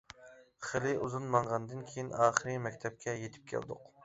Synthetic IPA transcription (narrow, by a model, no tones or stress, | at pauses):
χelɪʔuzunmɑɴʁɑnd̪ɨnkʲʰejinɑːχəɾɨmɛkʲt̪ʰɛp̚kʲɛjet̪ʰɪ̥p̚kʲʰæ̰ld̪ʊq